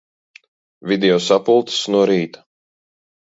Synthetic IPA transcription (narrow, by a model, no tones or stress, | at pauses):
vʲid̪ɛɔsapulˠt̪snuɔɾiːt̪ḁ